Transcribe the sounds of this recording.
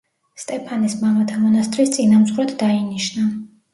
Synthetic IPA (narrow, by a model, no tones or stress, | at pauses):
st̪ʼɛpʰanismamat̪ʰamɔnast̪ʼɾist̪sʼinamzχɾɛt̪d̪ainiʃna